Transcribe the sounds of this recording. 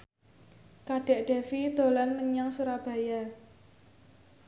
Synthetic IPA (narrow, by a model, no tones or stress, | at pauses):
kaɖ̥ɛ̤ʔɖ̥e̤fid̪̥o̤lanməɲaŋsuɾab̥a̤ja